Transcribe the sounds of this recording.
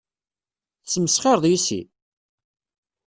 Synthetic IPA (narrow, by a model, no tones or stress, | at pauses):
səməsχeɾˤðˤjisḭ